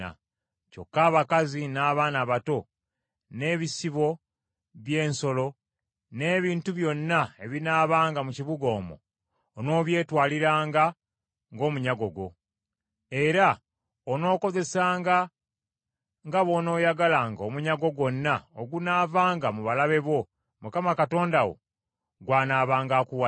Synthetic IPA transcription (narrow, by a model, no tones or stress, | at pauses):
a̰ | co̞̰kːaːβakazinaːβaːnaːβato̞ | ne̞ːβisiβo̞ | βje̞ːnso̞lo̞ | ne̞ːβiːntuβjo̞nːae̞βinaːβaːŋɡamuciβuɡo̞ːmo̞̰ː | no̞ːβje̞ːtwaːliɾaːŋɡa | ŋɡo̞ːmuɲaɡo̞ɡo̞̰ | e̞ɾa | ono̞ːko̞ze̞saːŋɡa | ŋɡaβo̞no̞ːjaɡalaŋɡomuɲaɡo̞ɡwo̞nːao̰ɡunaːvaːŋɡamuβalaβe̞βo̞ | mukamakato̞ːndawo̞̰ | ɡwaːnaːβaːŋɡaːkuwa